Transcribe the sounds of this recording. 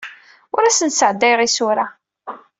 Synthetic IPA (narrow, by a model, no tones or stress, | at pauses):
ʊɾæsənsʕəd̪ːæjʁisʊɾa